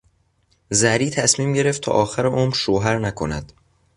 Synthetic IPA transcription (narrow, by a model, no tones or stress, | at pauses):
zæɾiːt̪ʰæsmiːmɟe̞ɾe̞ft̪ʰɒ̰ːʔɒːxæɾeʔoːmɾʃoːɦæɾnækʰonæ̰d̪̥